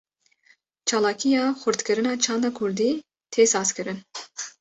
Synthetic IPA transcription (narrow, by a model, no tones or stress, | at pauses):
t͡ʃʰɑːlɑːkʰijɑːxʷʊɾt̪kʰɨɾɨnɑːt͡ʃʰɑːnd̪ɑkʰuɾd̪iː | t̪ʰeːsɑːskʰɨɾɨn